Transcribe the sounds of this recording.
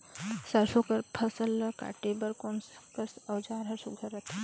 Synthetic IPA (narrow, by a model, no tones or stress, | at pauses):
sɐɾsokɐɾpʰɐsəlka̰ːʈebɐɾkoːnsɐkɐsɐwd͡ʒaːɾɦɐɾsuɡʱɐɾɐt̪ʰ